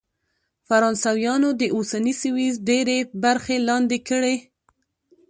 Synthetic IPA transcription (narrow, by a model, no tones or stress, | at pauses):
faɾɑnsawjɑnod̪əʔosanisɪwizɖeɾebaɾxelɑnd̪ekəɽe